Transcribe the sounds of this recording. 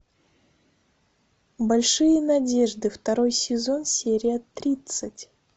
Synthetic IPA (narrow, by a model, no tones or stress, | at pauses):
bɐlʲʂɨjənɐdʲe̞ʐd̪ɨft̪ɐɾo̞jsʲɪzo̞nsʲeɾʲɪɐt̪ːɾʲit̪sɨtʲ